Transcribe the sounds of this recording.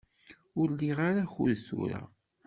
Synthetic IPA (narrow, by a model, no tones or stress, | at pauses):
ʊɾliʁaɾaçʊ̰ðθṵɾa̰